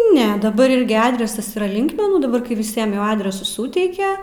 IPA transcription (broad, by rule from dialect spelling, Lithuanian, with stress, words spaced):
ˈnʲɛ dɐˈbɐr ˈɪrʲɡʲɪ ˈɑːdʲrʲɛsɐs iːˈrɐ ˈlʲɪŋkmʲɛnuː dɐˈbɐr kɐɪ ʋʲɪˈsʲiɛm jɛʊ ɐdʲrʲɛsʊs ˈsuːtʲɛɪkʲɛ